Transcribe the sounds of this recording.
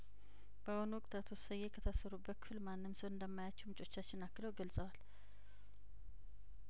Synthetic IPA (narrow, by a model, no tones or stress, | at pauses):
b̥əwonwɔkʼt̪ʰat̪ʰosəjːe̞kʰət̪ʰəsəɾubːət̪̚kɨfɨlmanːɨmsəwɨnd̪əmːajat͡ʃːɛwmt͡ʃʼo̞t͡ʃːat͡ʃːɪnakːɨləwɡəlsʼəwal